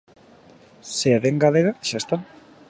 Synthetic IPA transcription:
seaβeŋɡaleɣaʃaest̪a

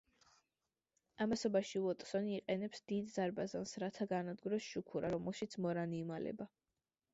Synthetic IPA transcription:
amasɔbaʃivɔt̪ʼsɔniːqʼɛnɛpsd̪̥id̪zaɾbazansɾat̪ʰaɡanad̪ɡuɾɔsʃukʰuɾaɾɔmɛlˠʃit̪sʰmɔɾaniːmalɛ̰ba

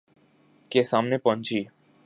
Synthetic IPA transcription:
kesamnepɔ̃nt͡ʃiː

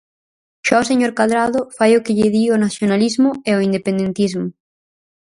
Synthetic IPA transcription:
ʃɔseɲoɾkaðɾaðʊfajʊkɪʎɪðionaθjonalizmʊeoind̪epẽnd̪ent̪izmʊ

